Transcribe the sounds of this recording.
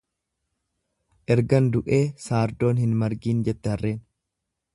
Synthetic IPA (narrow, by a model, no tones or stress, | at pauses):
ʔɛɾɡɐnd̪ʊʔe̞ːsaːɾd̪o̞ːnhɪnmɐɾɡiːnd͡ʒɛt̪ːɛhɐrːe̞ːn